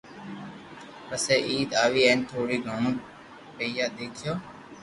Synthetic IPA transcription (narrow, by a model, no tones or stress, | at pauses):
ɾəseːʔiːd̪aːʋiːeːnt̪ʰoːɽiːɡʱoːɳũː | pəijaːd̪eːkʰjoː